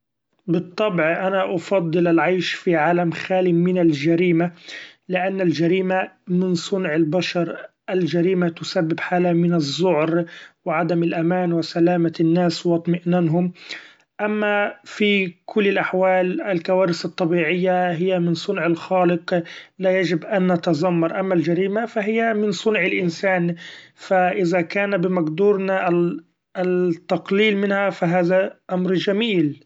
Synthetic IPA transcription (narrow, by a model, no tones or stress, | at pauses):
bɨt̪ˤːɑbʕʔanaʔɑfɑd̪ˤːɨlalʕajʃfiʕaːlamxaːlɪmɪnald͡ʒaɾiːmalɪʔanːald͡ʒaɾiːmamɪnsˤʊnʕɪlbaʃɑɾˤ | ʔald͡ʒaɾiːmat̪ʊsabːɪbħaːlamɪnɑzːʊʕɾwɪʕad̪amɪlʔamaːnwɪsalaːmanːaːswɑt̪ˤmɪʔnanɦʊm | ʔamːafikʰʊlːɪlʔaħwaːlɪlkawaːɾɪsɨt̪ˤːɑbiːʕɪjːaɦɪjːamɪnsˤʊnʕɪlxaːlɪqlajad͡ʒɪbʔanːat̪ɑzˤɑmːɑɾˤʔamːald͡ʒaɾiːmafaɦɪjːamɪnsˤʊnʕɪlʔɪnsaːnfaʔɪðakaːnabɪmaɡd̪uːɾnaʔ | t̪ːɑqliːlmɪnhafaɦaːðaʔamɾd͡ʒamiːl